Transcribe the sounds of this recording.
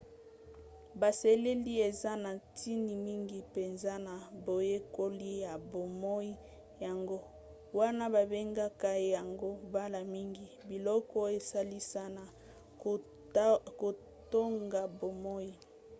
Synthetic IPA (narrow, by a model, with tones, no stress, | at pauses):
ba˨se˨le˦li˦e˨za˦na˨tʰi˦ni˨mi˦ŋɡi˨pe˨nza˦na˨bo˨je˦ko˦li˦ja˨bo˨mɔ˦i˦ | ja˨ŋɡo˦ | wa˦na˦ba˨be˦ŋɡa˦ka˦˨ja˨ŋɡo˦ba˦la˨mi˦ŋɡi˨bi˨lɔ˦kɔ˦e˨sa˦li˦sa˦na˨ | ko˨ | to˦ŋɡa˨bo˨mɔ˦i˦